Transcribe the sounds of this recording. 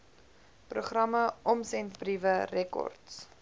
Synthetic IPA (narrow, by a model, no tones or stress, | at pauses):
proχrɐməɔmsɛntprivərɛkɔ̰rts